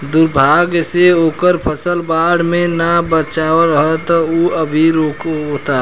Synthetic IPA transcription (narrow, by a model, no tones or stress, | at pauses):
d̪ʊɾbʱaɡseoːkəɾpʰəsəlbaːɽmẽnabət͡ʃaːʋəɾəɦət̪ɔuəbʱiɾoːkot̪a